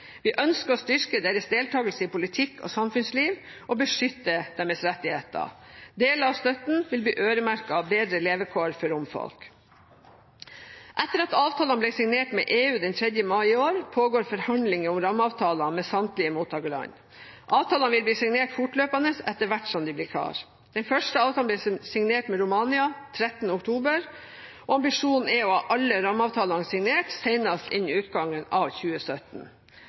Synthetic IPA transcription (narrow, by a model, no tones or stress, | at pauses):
ʋɪʔœnskəɾɔst̪ʏɾkəd̪eːɾəsd̪eːlt̪ʰɑːɡəlsəɪpʊlɪt̪ʰɪkːʰɔ̰ːsɑmfʉnsliːʋ | ʔɔbəʂʏt̪ːəd̪̥ɛmɛsɾɛt̪ːɪheːt̪ɑ̰d̪eːləɑʋst̪œt̪n̩ʋɪlbliːʔøːɾəmæɾkɑɑʋbeːd̪ɾəleːʋəkʰoːɾfɔɾʊmfɔ̰lk | ʔɛt̪ːəɾɑt̪ɑːʋt̪ʰɑːlɑnbliːsɪŋneːʈmɛ̰ʔeːʉːd̪ɛnt̪ʰɾɛd̪jəmɑɪɪoːɾpʰoːɡoːɾfɔɾhɑnd̪lɪŋəʊmɾɑmːɑːʋt̪ʰɑːlɑmɛsɑnt̪lɪəmuːt̪ʰːɑːɡəɭɑ̰ɲ | ʔɑːʋt̪ʰɑːlɑnʋɪlb̪iːsɪŋneːʈfʊʈløːpɑnəsɛt̪ːəɾʋæʈʂɔmd̪ɪblɪːkʰɑ̰ːɾ | d̪̥ɛnfœʂʈəɑːʋt̪ʰɑblɛːsɪŋneːʈmɛɾʊmɑːnɪɑt̪ʰɾɛt̪ən̩əʊkt̪ʰuːbəɾ | ɔɑmbɪʂuːnn̩ɛɔɑʔɑlːəɾɑmːɑːʋt̪ʰɑːlɑnsɪŋneːʈsæɪnɑst̪ɪnːʉːt̪ɡɑŋːənɑːʋçʉːəsœt̪n̩